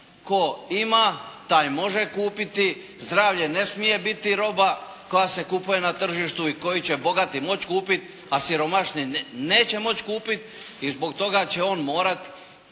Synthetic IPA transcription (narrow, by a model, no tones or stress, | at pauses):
ko̞imaːt̪aːjmo̞ʒekuːpit̪i | zd̪ɾaːʋʎe̞ne̞smije̞bit̪iɾo̞ba | ko̞jase̞kupuje̞nat̪r̩ʒiʃt̪uiko̞jit͡ɕe̞bo̞ɡat̪imo̞t͡ɕkuːpit̪ | asiɾo̞maʃnine̞ːt͡ɕe̞mo̞t͡ɕkuːpit̪ | izbo̞ɡt̪o̞ɡat͡ɕe̞o̞ːnmo̞ːɾat̪i̥